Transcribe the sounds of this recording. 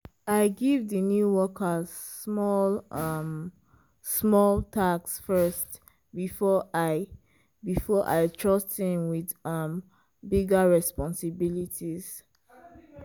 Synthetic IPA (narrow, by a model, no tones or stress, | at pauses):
aɪɡivðənjuwɔka | smɔlʌm | smɔltʰaksfɜst | bifɔaɪ | bifɔʔa̰ɪtʰɹʌsthĩmwiðʌm | biɡaɹɛspɔ̃nsibilitʰiz̥